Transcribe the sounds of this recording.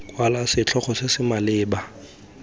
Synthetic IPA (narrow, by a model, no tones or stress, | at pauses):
kʼwalasɪt͡ɬʰɔχɔsɪsɪmalɪːba